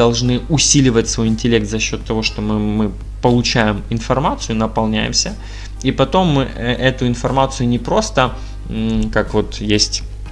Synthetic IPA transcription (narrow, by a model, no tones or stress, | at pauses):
ɐlˠʐnɨʊsʲilʲɪvətʲsvo̞jɪnʲtʲɪlʲe̞k̚t̪zɐɕːo̞t̪ːɐvo̞ʂt̪o̞mɨmɨ | pəlˠʊt͡ɕæjɪmɪnfɐrmat̪sɨjʊnəpɐlˠnʲæjɪ̰msʲə | ipɐt̪o̞mːɨʔʔɛt̪ʊɪnfɐrmat̪sɨjʊnʲɪpɾo̞st̪ə | kakvo̞t̪jesʲtʲ